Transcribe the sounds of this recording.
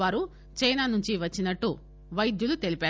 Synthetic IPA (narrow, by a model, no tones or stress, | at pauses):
aːɾu | t͡ʃɐjnaːnuɲt͡ʃiʋɐt͡ʃːinɐʈːu | ʋɐjd̪julut̪e̞lipaː